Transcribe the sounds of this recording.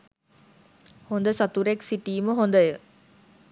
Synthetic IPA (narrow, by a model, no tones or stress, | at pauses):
hond̪əsɐt̪uɾeksiʈiːməɦond̪əjə